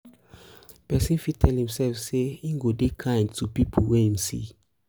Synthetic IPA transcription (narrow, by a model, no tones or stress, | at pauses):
pɛsĩnfitʰɛlhĩmsɛlfseĩŋɡodekʰãɪ̃ndtʰupipʰolwɛhĩmsḭ